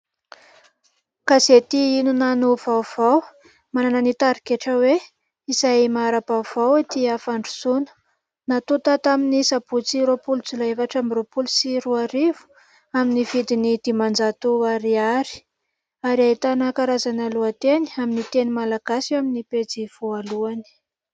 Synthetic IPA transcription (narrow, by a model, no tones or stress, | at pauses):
kazet̪iinunanuvawv̥aw | manananit̪aɾikeʈ͡ʂəwe | izajmaɾab̥awv̥awt̪iafaɳɖ͡ʐu̥sunə̥ | nat̪ut̪at̪aminisabut͡siɾopult͡sulaevaʈ͡ʂambropulusiɾuaɾivu̥ | aminivid̪inid̪̥imand͡zat̪uaɾiaɾi̥ | aɾiait̪anakaɾazanaluat̪eni̥aminit̪enimalaɡ̥asiaminiped͡ziv̥oaluani̥